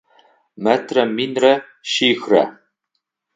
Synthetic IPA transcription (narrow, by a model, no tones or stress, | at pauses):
mɛt̪ʰrɐminrɐ | ʃiːxrɐ̰